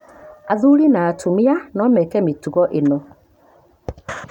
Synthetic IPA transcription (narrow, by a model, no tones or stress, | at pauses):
aðulinaːtʰumianɔmɛkɛmetuɣɔʔenɔ